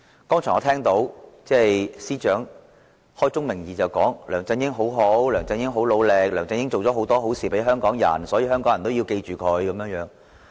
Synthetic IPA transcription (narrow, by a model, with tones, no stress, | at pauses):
kɔː˥ŋt͡ʃʰːŋɔː˨˧t̪ʰɛː˥ŋt̪o˨˥wt͡sɛː˥˩jsiː˥t͡ʃœː˨˥ŋ | hɔː˥jt͡sʊ˥ŋmɪ˨˩ŋjiː˨˩t͡sɐ˨˩wkɔː˨˥ŋlœː˨˩ŋt͡sɐ˧ŋjɪ˥ŋɦo˨˥wɦo˨˥wlœː˨˩ŋt͡sɐ˧ŋjɪ˥ŋɦo˨˥wlo˨˧wle˨k̚lœː˨˩ŋt͡sɐ˧ŋjɪ˥ŋt͡so˨wt͡sɔː˨˥ɦo˨˥wt̪ɔː˥ɦo˨˥wsiː˨˩pe˨˥ɦœː˥ŋkɔː˨˥ŋjɐ̰˨˩nsɔː˨˥jiː˨˧hœː˥ŋkɔː˨˥ŋjɐ˨˩t̪wji˧wke˧jt͡ʃyː˨kʰɵ˨˧ɥkɐ˨˧˦mjœː˧ŋjœː˨˧˥ŋ